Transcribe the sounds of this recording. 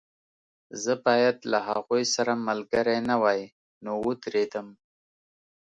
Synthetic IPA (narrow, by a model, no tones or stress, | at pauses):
zəbɑjad̪laɦaɣujsaɾamalɡaɾajnawaj | nowət̪ɾed̪əm